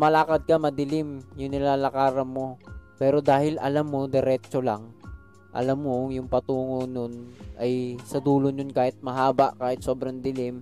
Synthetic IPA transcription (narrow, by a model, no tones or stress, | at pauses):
mɐlaːkɐd̪̚kɐmɐd̪ɪlɪmjʊŋnɪlaːlɐkaːɾɐnmo̞pɛːɾod̪aːhɪlɐ̰lamːo̞d̪ɛɾɛːt͡ʃolaŋ | ʔɐ̰lamːoŋjʊŋpɐt̪uːŋononʔɐjsɐd̪uːloɲonkaːhɪt̪̚mɐɦaːbaʔkaːhɪt̪̚so̞ːbɾɐŋd̪ɪlɪm